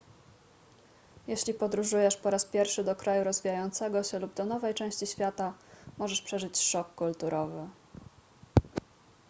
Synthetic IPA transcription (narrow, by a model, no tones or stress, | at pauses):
jeɕlʲipɔd̪ɾuʐujɛʂpɔɾaspʲjɛɾfʂɘd̪ɔkɾajuɾɔzvʲijajɔnt̪sɛɡɔɕɛlubd̪ɔnɔvɛjt͡ʂɛ̃w̃ɕt͡ɕiɕfʲjat̪amɔʐɛʂpʂɛʐɘt͡ɕʂɔkːult̪uɾʔɔvɘ